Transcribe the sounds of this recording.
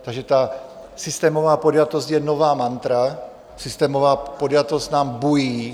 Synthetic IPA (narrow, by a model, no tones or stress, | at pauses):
t̪aɡʒɛt̪a | sist̪ɛːmɔvaːpɔd̪jat̪ɔzɟjɛnɔʋaːmant̪ɾa | sist̪ɛːmɔvaːpod̪jat̪ɔztnaːmbujiː